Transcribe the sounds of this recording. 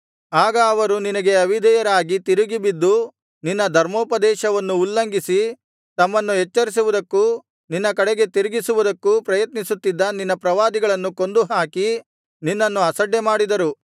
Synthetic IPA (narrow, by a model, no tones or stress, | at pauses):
aːɡɐːʋɐɾuninɐɡe̞ɐʋid̪ɛjɐɾaːɡit̪iɾuɡibid̪ːu | ninːɐd̪ʱɐɾmoːpɐd̪ɛːʃɐʋɐnːuːlːɐŋɡisi | t̪ɐmːɐnːuɦɛt͡ʃːɐɾis̬uʋud̪ɐkːu | ninːɐkɐɽeɡe̞t̪iɾuɡisuʋud̪ɐkːupɾɐjɐt̪nisut̪ːid̪ːɐninːɐpɾɐʋaːd̪iɡɐɭɐnːuko̞nd̪uɦaːki | ninːɐnːuɐsɐɖːemaːɽid̪ɐɾu